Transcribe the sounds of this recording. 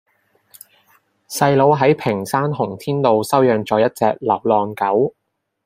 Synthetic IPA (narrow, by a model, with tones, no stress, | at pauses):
sɐ˧jlo˨˧wɦɐ˨˥jpʰɪ˨˩ŋsaː˥nɦʊ˨˩ŋt̪ʰiː˥nlo˨˧wsɐ˥wjœː˨ŋt͡sɔː˨˧jɐ˥t̚t͡sɛː˧k̚lɐ˨˩wlɔː˨˧nkɐ˨˥w